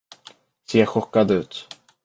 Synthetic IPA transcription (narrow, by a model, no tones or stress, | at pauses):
seːɾɧɔkːad̪ʉ̟ːt̪